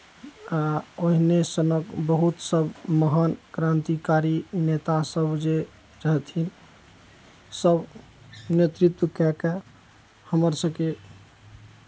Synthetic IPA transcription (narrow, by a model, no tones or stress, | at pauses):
aoɦinesənəkbəɦut̪səbməɦənkɾant̪ikaɾinet̪asəbd͡ʒe | ɾəɦɛt̪ʰin | səb | net̪ɾit̪wəkɛke | həməɾsəbke